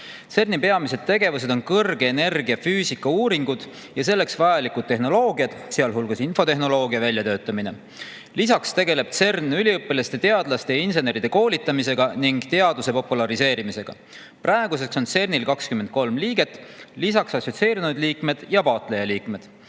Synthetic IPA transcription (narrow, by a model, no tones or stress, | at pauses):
t̪se̞rnipe̞ɑmised̪̥̚t̪ːe̞ɡe̞vuse̞d̪o̞nkɤrɡ̥eːne̞rɡ̥iɑfyːsikːɑuːɾiŋɡ̥ud̪̥ | jɑs̬e̞lːe̞ksvɑjɑlikud̪̥̚t̪ːe̞ɦno̞lo̞ːɡiɑd̪̥seɑlɦulɡ̥ɑsinfo̞t̪eɦno̞lo̞ːɡ̥iɑvælʲjɑt̪ø̞ːt̪ːˑɑmine̞̰ | lisɑkst̪e̞ɡe̞le̞b̥̚t̪se̞rnːylʲiɤpːˑelɑst̪e̞t̪e̞ɑd̪̥lɑst̪einse̞ne̞ɾid̪̥e̞ko̞ːlʲit̪ːˑɑmise̞ɡ̥ɑniŋɡ̥t̪e̞ɑd̪̥use̞po̞pulɑɾise̞ːɾimise̞ɡ̥ɑ̰ | prʔɑeɡ̥use̞kso̞nse̞rnilkɑkskyment̪̚ko̞lmliːɡ̥e̞t̪ːˑlisɑksɑsot̪se̞ːɾinud̪liːkme̞d̪̥jɑpɑːt̪ˑle̞jɑliːkme̞d̪̥